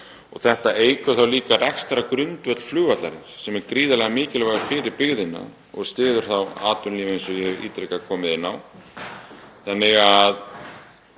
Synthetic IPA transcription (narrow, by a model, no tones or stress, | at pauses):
ɔ̰ɣθɛht̪aʔeːjkʏθawliːkarɛkst̪aɾakɾʏnt̪vœt̪l̥flʏːvat̪laɾɪsɛmɛɾkɾiːðalɛɣamɪːcɪlvaɣʏfɪːɾɪɾpɪɣðɪnːa̰ | ɔɣst̪ɪːðʏɾ̥θawa̰ːt̪ʏnliːvẽnsɔjɛhɛviːt̪ɾejkakʰɔːmɪðɪnːaw | θanːɪɣað